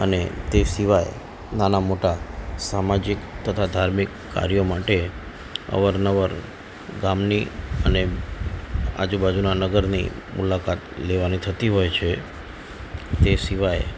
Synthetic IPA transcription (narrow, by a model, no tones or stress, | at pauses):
ənet̪esiʋaj | nanamoʈasamad͡ʒikt̪ət̪ʰad̪ʱaɾmikːa̰ɾijomaʈe | ə̰ʋəɾnəʋəɾ | ɡamniəne | a̰d͡ʒubad͡ʒunanəɡəɾnḭmulakat̪leʋanit̪ʰət̪iɦojt͡ʃʰe | t̪esiʋaj